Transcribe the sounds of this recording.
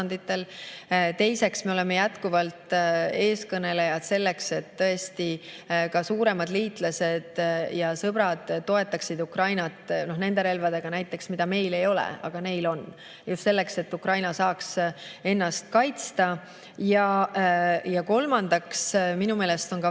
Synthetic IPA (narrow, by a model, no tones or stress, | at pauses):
nd̪it̪ːˑe̞lt̪e̞jse̞ksme̞ole̞me̞jæt̪kuvɑlt̪e̞ːskɤne̞lejɑd̪̥se̞lːe̞kse̞t̪ːɤ̞e̞st̪i | kɑsuːɾe̞mɑd̪liːt̪ˑlɑse̞d̪̥jɑsɤb̥ɾɑd̪̥ːo̞e̞t̪ˑːɑksid̪ukrɑjnɑt̪ˑno̞hne̞nd̪e̞ɾe̞lvɑd̪e̞ɡ̥ɑnæjt̪ˑːe̞ksmid̪̥ɑme̞jle̞jo̞lɛ̰ɑ̰ɡ̥ɑne̞jlo̞n | just̪se̞lːe̞kse̞t̪ːukɾrɑjnɑsɑːkse̞nːɑst̪̚kɑjt̪st̪ɑ | jɑ | jɑko̞lmɑnd̪̥ɑksminume̞ːlest̪o̞nkɑ